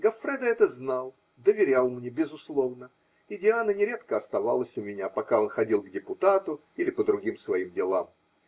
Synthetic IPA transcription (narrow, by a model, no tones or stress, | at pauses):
ɡɐfɾʲɛd̪əɛt̪əznalˠ | d̪əvʲɪɾʲalˠmnʲebʲɪzʊslˠo̞vnə | ɪdʲɪanənʲɪɾʲe̞t̪kəɐst̪ɐva̰lˠəsʲʊmʲɪnʲapɐkao̞nxɐdʲilˠɡdʲɪpʊt̪at̪ʊ | ilʲɪpəd̪ɾʊɡʲimsvɐimdʲɪlˠam